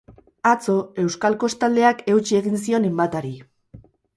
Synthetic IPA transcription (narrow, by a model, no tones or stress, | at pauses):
at͡so̞e̞wskalko̞st̪ald̪e̞ake̞wt͡ʃie̞ɣins̬io̞ne̞mbat̪aɾi